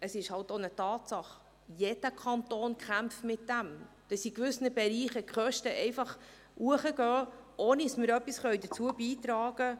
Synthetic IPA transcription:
əsɪʃhɑltonətɑːtsɑχ | jed̥əkʰɑntoːnkʰχæmpfmɪtd̥æm | d̥ɑsikʋʏsnəbɛɾiːχəkχœʃtəʔɛɪfɑχ | ʔuəχəɡœːʔoːniɑsmɪɾœpːisχœʏjdət͡suəbiːt̪ɾɑːɡ̥ə

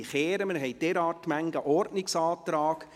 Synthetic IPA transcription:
χeːɾəmənɦɛjd̥ɛːɾɑːrtmæŋɡəʔɔɾtnɪksɑːt̪ɾɑːɡ̥

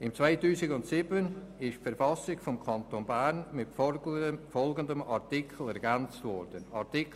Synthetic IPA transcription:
ɪmt͡svaɪtuːsɪɡʊntsɪbənɪʃfɛɾfɑsɪɡfɔmkʰɑnt̪oːnbærnmɪt | fɔlɡəndəmɑɾtɪkʰl̩ɛɾɡænt͡stvɔɾdənɑtɪk

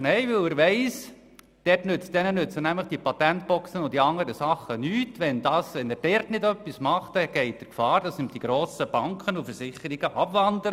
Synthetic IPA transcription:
nɛɪʋɪlɪɾʋɛɪs | d̥ɛrtnʏt͡sd̥ɛnənʏt͡sənæmləχd̥ipɑtɛntb̥ɔksənʊt̚d̥iɑŋəɾəsɑχːənyːtʋɛndɑːsʋɛnɛɾd̥ɛrtnɪdœpːismɑχtɛɡ̥ɛɪt̚d̥əɾkfɑːɾd̥ɑsɪmd̥iɡ̥ɾoːsəb̥ɑŋkχənufəɾsɪχəɾiɡ̥əʔɑbʋɑndəɾ

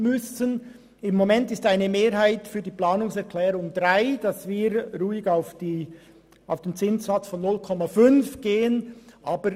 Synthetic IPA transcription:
mʏsən | ɪmːomɛntɪstaɪnəmeːɾhaɪtfyːdiːplaːnʊŋsɛɾkʰl̥ɛːɾʊŋdʁaɪd̥ɑsv̥iːɾɾuːɪɡaʊfd̥iː | ʔaʊfd̥eːnt͡sɪnsz̥at͡sfɔnːʊlkʰɔmafʏnfɡ̥eːənʔaːbəɾ

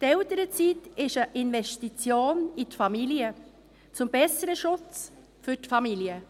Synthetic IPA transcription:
t̪ɛltəɾət͡sitɪʃəʔɪnvɛʃtit͡sjoːnitfɑmiliə | t͡sʊmbɛsəɾəʃʊt͡s | fʏtfɑmiliə

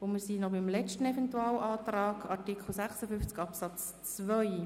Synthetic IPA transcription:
ʊnmiːɾsiːnɔbimlɛt͡ʃtən̩ɛvɛntuɑːwʔɑːt̪rɑːɡʰɑɾtikχl̩ˠsæχsəfʏft͡sɡɑpsɑt͡s | t͡svœʏ

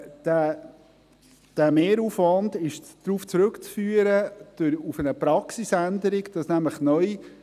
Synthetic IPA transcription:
d̥æ | d̥æmeːɾuːfʋɑndɪʃd̪̥ɾuːft͡sɾɵkt͡sfyːəɾəd̥ʊɾufənəpɾɑksisænd̪əɾɪɡd̥ɑsnæmləχnœj

